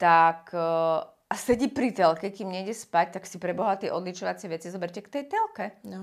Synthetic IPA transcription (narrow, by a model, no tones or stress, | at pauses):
t̪ak | asɛɟipɾit̪ɛlkɛkiːmɲɛɛspac̚t̪aksipɾɛbɔɦat̪iɛʔɔd̪lit͡ʃɔʋat͡sɪɛʋɛt͡sizɔbɛɾʲcɛkt̪ɛjt̪ɛlkɛ